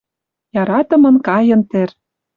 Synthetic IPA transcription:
jɑɾɑt̪ɤ̆mɤ̆nkɑjɤ̆nt̪ĕr

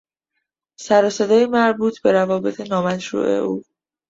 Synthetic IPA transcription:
sæɾɒːsed̪ɒːjimæɾbuːt̪ʰbe̞ɾævɒːbe̞t̪ʰenɒːmæt̪ɾṵːʔe̞̰ʔuː

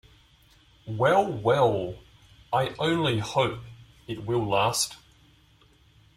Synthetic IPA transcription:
wɛlˠwɛlˠ | aɪʔə̃ʊ̃nlihəʊp | ɪt̚wɪlˠlæst

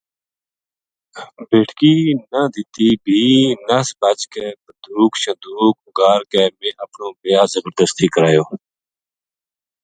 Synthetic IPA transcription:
beːʈʰkiːnãd̪ɪt̪iːbʱiːnasbat͡ʃkɛːbəd̪uːkʃə̃d̪uːk̚ɡaːɾkɛːmẽːʔəpnõːmejaːzəbəɾd̪əst̪iːkəɾaːjoː

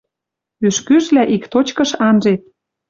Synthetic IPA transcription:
yʃkyʒlæʔikt̪ot͡ɕkɤ̆ʃɑnʒet̪̚

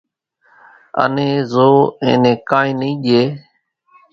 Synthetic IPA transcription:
ə̰nẽːzoːḛ̃ːnẽːkãːĩːnĩːʄeː

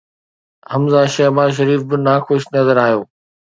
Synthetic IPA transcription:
ɦɐmzaʃɐɦbaːzʃ̬ɐɾiːfbɪnaːxʊʃnɐzəɾaːjoː

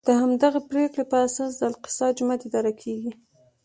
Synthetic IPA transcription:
d̪̥əhamd̪aɣapɾekɽepəasɑs̬d̪əɪlqɪ̥sɑd͡ʒʊmat̪ɪd̪ɑɾakʰeɡi

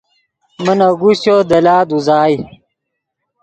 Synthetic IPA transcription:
mɐnɐɡusjoːd̪ɐlaːd̪uzaːj

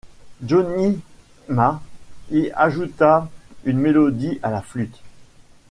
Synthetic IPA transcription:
d͡ʒɔni | maiaʒut̪aynmelɔd̪iʔalaflyt̪

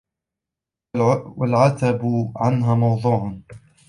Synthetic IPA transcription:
walʕat̪abʕanɦaːmɑwd̪ˤuːʕ

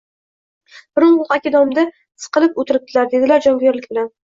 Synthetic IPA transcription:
b̥ɪɾʊnʊlˠqakʲɪd̪ɒmd̪a | sɨ̥qɨlɪpot̪ʰɪɾɪp̚t̪ʰɪlaɾd̪e̞d̪ɪlaɾd͡ʒɒnɡʲeɾlɪk̚ʲbɪlan

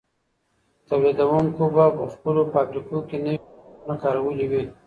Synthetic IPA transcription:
t̪awlid̪awuŋkobapəxpəlopabɾikokenainakaːɾawəliwi

